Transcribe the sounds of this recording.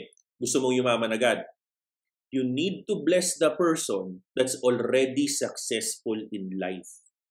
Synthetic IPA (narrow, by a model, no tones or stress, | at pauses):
ɡʊst̪omoŋjʊmaːmɐnɐɡad̪̚ | jʊnid̪̚t̪ʊblɛsd̪ɐpɛɹsɔ̃nd̪ɐt̪sɔlɾɛd̪isɐksɛsfʊlɪ̃nla̰jf